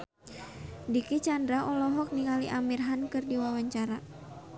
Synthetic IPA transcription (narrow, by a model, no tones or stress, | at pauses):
dikit͡ʃandɾaʔɔlɔɦɔk̚niŋaliʔamirɦankɨrdiwawaɲt͡ʃaɾa